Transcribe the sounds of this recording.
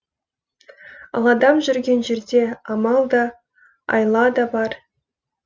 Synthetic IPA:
ɑ̰lˠɑd̪ɑmʒyrɡʲenʒerd̪ʲeɑmɑlˠd̪ɑ | ɑ̰jlˠɑd̪ɑbɑr

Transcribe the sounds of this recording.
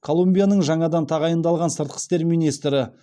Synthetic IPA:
kʰo̞lˠumbijanəɴʒɑɴɑd̪ɑnt̪ʰɑʁɑjənd̪ɑlˠʁɑnsəɾt̪̚qə̥st̪e̞ɾmijnijst̪ɾɪ

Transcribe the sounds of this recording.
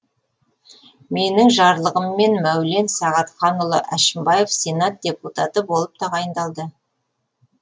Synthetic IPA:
me̞nɪŋʒɑɾlˠəʁəmːe̞nmæwle̞nsɑʁɑt̪χɑnʊlˠəʔæʃɪmbɑje̞fse̞nɑt̪̚d̥̪ʲe̞put̪ɑt̪əbo̞lˠəp̚t̪ʰɑʁɑjənd̪ɑlˠd̪ə

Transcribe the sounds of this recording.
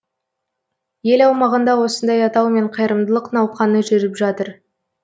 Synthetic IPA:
je̞lɑwmɑʁənd̪ɑwo̞sənd̪ɑjɑt̪ɑwme̞ɴqʰɑjɾəmd̪əlˠəqnɑwqɑnəʒeɾɪpʒɑt̪əɾ

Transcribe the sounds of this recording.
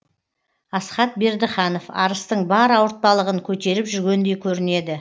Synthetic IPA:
ɑsχɑt̪̚be̞ɾd̪ɪχɑno̞fɑ̰ɾəst̪əɴbɑɾɑwəɾt̪̚pɑlˠəʁəŋkʲʰɵt̪e̞ɾɪpʒʏɾɡʲe̞nd̪e̞jkʲʰɵɾɪne̞d̪ɪ

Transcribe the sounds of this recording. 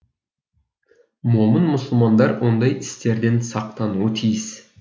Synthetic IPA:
momənmʊsʊlˠmɑnd̪ɑɾwo̞nd̪ɑjɪst̪e̞ɾd̪e̞nsɑq̚t̪ɑnuət̪ʰijɪs

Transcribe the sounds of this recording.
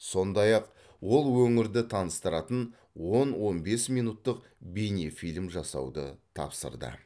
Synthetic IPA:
so̞nd̪ɑjɑq | wo̞lˠwɵŋɪɾd̪ɪt̪ʰɑnəst̪əɾɑt̪ən | wo̞nwo̞nbe̞smijnut̪ːəq | bijnefijlʲmʒɑsɑ̰wd̪ə̰t̪ʰɑ̰psə̰ɾd̪ə̰

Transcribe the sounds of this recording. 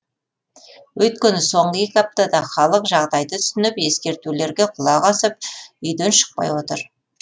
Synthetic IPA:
wʔɵt̪̚kʲenɪso̞ɴɢəje̞kʲɑp̚t̪ɑd̪ɑχɑlˠəqʒɑʁd̪ɑjd̪ət̪ʰʏ̥sɪnɪpe̞skʲe̞ɾt̪ule̞ɾɡʲeqʰʊlˠɑʁɑsəp̚ʏjd̪enʃə̥q̚pɑ̰jwo̞t̪əɾ

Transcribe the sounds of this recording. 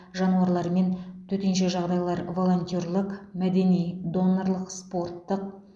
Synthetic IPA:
ʒɑnuɑɾlˠɑɾme̞nt̪ʰɵt̪enʃeʒɑʁd̪ɑjlˠɑɾvo̞lˠo̞nt̪ʲiorlˠəqmæd̪e̞nijd̪o̞nːoɾlˠəqspo̞rt̪ːəq̚

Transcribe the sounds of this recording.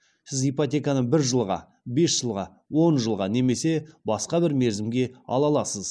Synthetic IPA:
sɪzijpot̪ʲe̞kanəɴbɪɾʒəlˠʁɑ̰ | be̞sʒ̥əlˠʁɑ | wo̞nʒəlˠʁɑne̞me̞se̞bɑsqɑbɪɾmeɾzɪmɡʲe̞ɑ̰lˠɑlˠɑsəz̥

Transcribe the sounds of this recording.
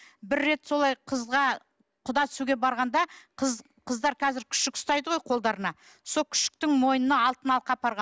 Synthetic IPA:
bɪɾːe̞t̪so̞lˠɑjqʰəzʁɑ | qʰʊd̪ɑt̪ʰʏsuɡʲebɑɾʁɑnd̪ɑqʰəz | qʰəzd̪ɑɾqʰɑzɪɾkʲʰʏ̥ʃɪkɪ̥st̪ɑjd̪əʁo̞jqʰo̞lˠd̪ɑɾənɑ | solˠkʲʰʏ̥ʃɪ̥k̚t̪ɪŋmo̞jnənɑɑlˠt̪ənɑlˠəqːɑpʰɑɾʁɑ

